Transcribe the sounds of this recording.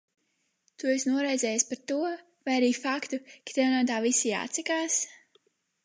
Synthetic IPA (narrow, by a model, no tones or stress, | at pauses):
t̪ujesnuɔɾaj̪zʲɛːjaspaɾt̪uɔ | vajaɾiːfakt̪ukḁt̪ʲɛwnat̪̬aːvisija̰ːt̪sʲɛkaːs